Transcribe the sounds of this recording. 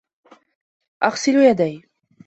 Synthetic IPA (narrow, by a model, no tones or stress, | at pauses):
ʔaɣsɪljad̪aj